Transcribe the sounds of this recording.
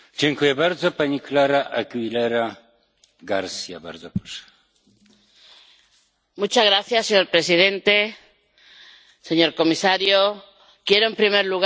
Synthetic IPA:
d͡ʑɛŋkujɛbaɾd̪zɔpaɲiklaɾaʔaɡwilɛɾa | ɡaɾsʲja̰ba̰ɾd̪zɔpɾɔ̥ʂɛ̥ | mut͡ʃazɣɾaθjaseɲo̞ɾpɾe̞sið̞e̞nt̪e̞ | se̞ɲo̞ɾko̞misaɾjo | kje̞ɾoempɾimeɾluɣ

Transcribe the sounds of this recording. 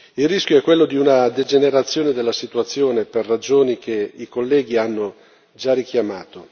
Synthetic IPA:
ilrːisk̟joɛkːwelːod̪iunad̪ed͡ʒeneɾat̪sːjoːned̪elːasit̪uat̪sːjoːneperːad͡ʒoːnikʰeikolːɛːɡianːo | d͡ʒarikjamaːt̪o

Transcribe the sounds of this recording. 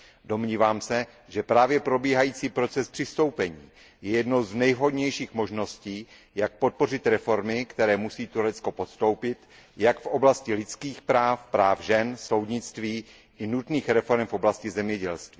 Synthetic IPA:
do̞mɲiːvaːmsɛ | ʒɛpɾaːvjɛpɾo̞biːɦajiːt͡siːpɾo̞t͡sɛspr̥ɪst̪o̞wpɛɲiː | jɛjɛdno̞wznɛjvɦo̞dɲɛjʃiːxmoʒno̞sciː | jak̚po̞t̪̚po̞r̝ɪt̪ɾɛfo̞ɾmɪkt̪ɛɾɛːmusiːt̪uɾɛt͡sko̞po̞t̪st̪o̞wpɪt̪ | jakfʔo̞blascɪlɪt͡skiːxpɾaːfpɾaːfʒɛnso̞wdɲɪt͡st̪viː | ʔɪnut̪niːxɾɛfo̞ɾɛmfʔo̞blascɪzɛmɲɛɟɛlst̪viː

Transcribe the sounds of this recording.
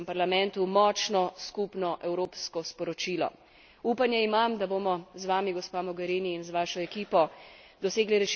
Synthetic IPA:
mpaɾlamɛ̃nt̪umɔːt͡ʃnɔskupnɔʔɛwɾoːpskɔspɔɾɔt͡ʃiːlɔ̰ | upanjɛimamd̪aboːmɔzʋaːmiɡɔspamɔɡɛɾiniːnzʋaːʃɔɛkiːpɔd̪ɔseːɡliɾɛʃ

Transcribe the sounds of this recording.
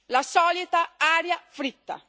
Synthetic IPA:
lasɔːlit̪aaːɾjafɾit̪ːa̰

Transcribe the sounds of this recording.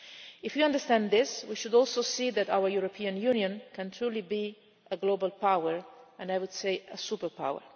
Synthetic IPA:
ɪfjɨʌ̃ndə˞stæ̃nðɪswiʃʊdɔlˠsoʊsiðɨɾa̰ʊwəɹjuɹɔpʰĩɨ̃njũnjɨ̃nkʰɨ̃ntʰɹ̥ulibi | ʔəɡloʊbəlˠpʰaʊəɹɨ̃najwʊd̥seɪəsupə˞pʰa̰wə̰˞

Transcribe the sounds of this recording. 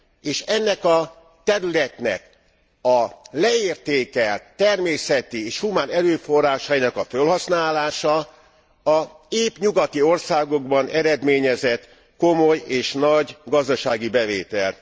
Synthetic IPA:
eːʃɛnːɛkɒ | t̪ɛɾylɛt̪nɛ̰k | ɒlɛeːrt̪eːkɛlt̪ɛrmeːsɛt̪ieːʃhumaːnɛɾøːfo̞rːaːʃɒinɒkɒfølɦɒsnaːlaːʃɒ | ɒ | eːpɲuɡɒt̪io̞rsaːɡo̞ɡbɒnɛɾɛd̪meːɲɛzɛt̪ | ko̞mo̞jeːʃnɒɟɡɒzd̪ɒʃaːɡibɛveːt̪ɛlt̪

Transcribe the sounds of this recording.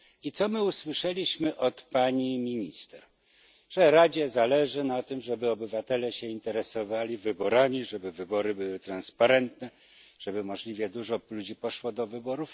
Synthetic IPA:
it̪sɔmɘuswɘʂɛlʲiɕmɘʔɔt̪paɲimʲiɲist̪ɛɾ | ʐ̥ɛɾad͡ʑɛzalɛʐɘnat̪ɘmʐɛbɘɔbɘvat̪ɛlɛɕɛint̪ɛɾɛsɔvalʲivɘbɔɾamʲiʐɛbɘvɘbɔɾɘbɘwɘt̪ɾanspaɾɛnt̪nɛ | ʐ̥ɛbɘmɔʐlʲivʲjɛd̪uʐɔlud͡ʑipɔʂwɔd̪ɔvɘbɔɾuf

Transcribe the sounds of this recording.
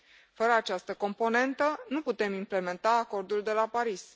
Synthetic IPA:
fəɾəat͡ʃast̪əko̞mpo̞ne̞nt̪ənuput̪e̞mimple̞me̞nt̪aːko̞rd̪uld̪e̞lapaɾis

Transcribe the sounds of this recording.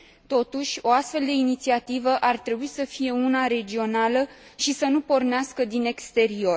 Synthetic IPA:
t̪o̞t̪uʃʲo̞ast̪fe̞ld̪e̞init̪siat̪ivəʔart̪ɾe̞buisəfije̞unaɾe̞d͡ʒio̞nalə | ʃisənupo̞rneaskəd̪ine̞kst̪e̞ɾio̞r

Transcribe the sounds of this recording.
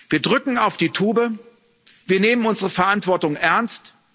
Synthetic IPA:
v̥iːɐdʁʏkŋ̩aʊfd̥iːtʰuːbə | viːɐneːmənʊnzəʁəfɛɐʔantv̥ɔɐtʊŋʔɛɐnst

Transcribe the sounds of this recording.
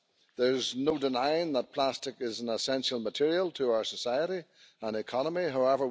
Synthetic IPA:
ðə˞znodɪnãɪ̃nðət̚pʰl̥astɪkɪzə̃n̩əsɛ̃nʃəlˠmətʰɪɹiəlˠtʰəaʊə˞səsaɪəɾi | ə̃nɪkʰɑnəmiɦaʊɛvə˞

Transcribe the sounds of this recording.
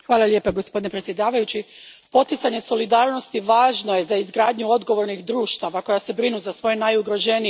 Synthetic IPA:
xʋaːlˠalʎʲje̞ːpaɡospod̪inepɾe̞t̪sjed̪aːʋajut͡ɕi | po̞t̪it̪saɲe̞so̞lid̪aːɾno̞st̪iʋaːʒno̞je̞zaizɡɾaːd̪ɲuo̞d̪ɡo̞ʋo̞ɾnixd̪ɾuːʃt̪aʋako̞jase̞bɾinuzasʋo̞jenajuɡɾo̞ʒe̞ni

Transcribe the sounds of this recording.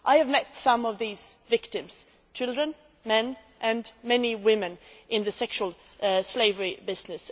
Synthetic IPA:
ʔaɪɨvmɛtsʌ̃mʌvðiz̥vɪktɨ̃mz̥ | t͡ʃʰɪlˠdɹɨ̃n | mɛ̃n | ʔɨ̃nmɛniwɪ̃mɨ̃n | ʔɪ̃nðɨsɛkʃuəl̩ˠ | sleɪvə˞ibɪznɨs

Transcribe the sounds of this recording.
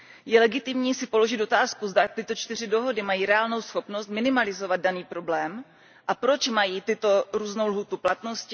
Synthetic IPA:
jɛlɛɡɪt̪ɪmɲiːsɪpo̞lo̞ʒɪt̪o̞t̪aːskuzdat̪ɪt̪ot͡ʃt̪ɪr̝ɪdo̞ɦo̞dɪmajiːɾɛaːlno̞wsxo̞pno̞st̪̚mɪnɪmalɪzo̞vad̪̚daniːpɾo̞blɛːm | ʔapɾo̞t͡ʃmajiːt̪ɪt̪o̞ɾuːznowlɦuːt̪uplat̪no̞scɪ

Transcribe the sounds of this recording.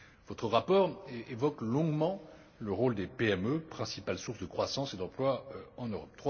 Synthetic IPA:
v̥ɔt̪χəʁapɔʁevɔklɔ̃ɡmɑ̃ | ləʁold̪epeɛmøpχɛ̃sipalsuʁsd̪əkχwasɑ̃sed̪ɑ̃plwaɑ̃nøʁɔp̚t̪χw

